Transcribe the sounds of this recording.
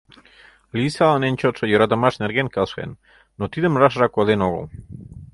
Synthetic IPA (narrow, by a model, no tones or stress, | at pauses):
lisalanenʲt͡ʃot͡sojoɾat̪amaʃneɾɡenkalsḛnː | ot̪id̪emraʃɾakoðenoɣo̰